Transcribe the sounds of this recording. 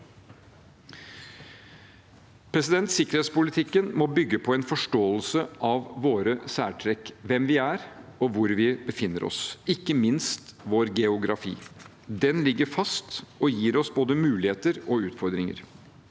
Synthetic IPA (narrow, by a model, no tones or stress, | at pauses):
pʰɾɛsɪd̪ɛnt̪sɪkːəɾheːt̪spʊlɪt̪ʰɪkːənmɔbʏɡːəpʰɔɛnfɔʂʈoːəlsəʔɑʋːoːɾəsæːʈʰɾɛkʋɛmʋɪæɾɔʋʊɾʋɪbəfɪnːəɾʔɔ̰sɪkːəmɪnst̪ʋoːɾɡɛʊɡɾɑfḭː | d̪ɛnlɪɡːəɾfɑst̪ɔjiːɾɔsboːd̪əmʉːlɪheːt̪əɾɔʉːt̪fɔɾd̪ɾɪŋə̰ɾ